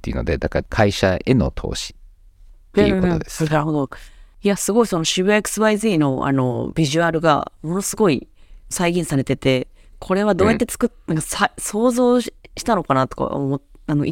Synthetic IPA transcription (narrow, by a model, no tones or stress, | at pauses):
ejiɯ̟no̞̰d̪e̞d̪akaɾkʰaiɕaeno̞̰t̪ʰo̞̰ːɕi̥ | kot̪oo̰d̪esaɦod̪oiasɨɡo̞iso̞no̞ɕiβɯ̟eekɯ̟̥sɨβaizɨino̞ʔa̰no̞̰bʲiʑɨaɾɯ̟ɡa̰mo̞no̞sɨɡo̞isaiɡʲĩɰ̃saɾe̞t̪e̞t̪e̞kʰo̞ɾe̞βad̪o̞ːjat̪ːet͡sɨ̥kɯnãkasaso̞ːzo̞ːɕi̥t̪ano̞kanat̪o̞̥ka̰omoano̞ʔi